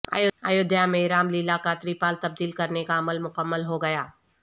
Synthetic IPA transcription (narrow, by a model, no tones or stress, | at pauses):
a̰ːjʊa̰ːjʊd̪jamẽɾaːmlilakat̪ɾiːpaːlt̪ɐb̚d̪iːlkɐɾnekaɐməlmʊkəmːəlɦoɡɐjaː